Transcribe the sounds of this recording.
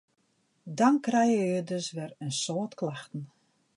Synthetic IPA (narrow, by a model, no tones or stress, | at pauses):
dɔnkrɛjəødøsʋɛrənsoːtklaxtn̩